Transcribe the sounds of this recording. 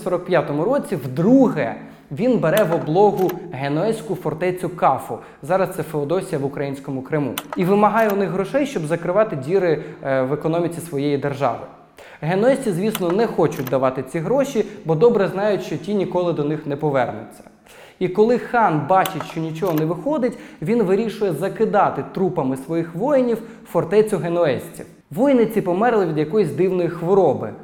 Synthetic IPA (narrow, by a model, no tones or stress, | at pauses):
sɔɾɔk̚pʲjat̪ɔmʊɾɔt͡sʲiwd̪ɾuɦɛ | ʋʲinbeɾɛʋɔblˠɔɦʊɦenɔɛsʲkʊfɔrt̪ɛt͡sʲʊkɑfʊ | zɑɾɐst̪sɛfeɔd̪ɔsʲijɐʋʊkɾɐjinʲsʲkɔmʊkɾɪmṵiʋɪmɐɦɑjɛʊnɪxɦɾɔʃɛjʃt͡ʃɔbzɐkɾɪʋɑt̪ɪdʲiɾɪʋekɔnɔmʲit͡sʲisʋɔjejid̪erʒɑ̰ʋɪ̰ | ɦenɔɛsʲtʲizʲʋʲisnɔnɛxɔt͡ʃʊt̚ʲd̪ɐʋɑt̪ɪt͡sʲiɦɾɔʃibɔd̪ɔbɾɛznɑjʊtʲʃt͡ʃɔtʲinʲikɔlˠɪd̪ɔnɪxnɛpɔʋɛrnʊ̰t͡sʲːɐ̥ | ikɔlˠɪxɑnbɑt͡ʃɪtʲʃt͡ʃɔnʲit͡ʃɔɦɔnɛʋɪxɔd̪ɪtʲʋʲinʋɪɾʲiʃʊjɛzɐkɪd̪ɑt̪ɪt̪ɾupɐmɪsʋɔjixʋɔjɪnʲiw | fɔrt̪ɛt͡sʲʊɦenɔɛsʲt͡sʲḭw | ʋɔjnɪt͡sʲipɔmɛrlˠɪʋʲid̪jɐkɔjizʲd̪ɪwnɔjixʋɔɾɔbɪ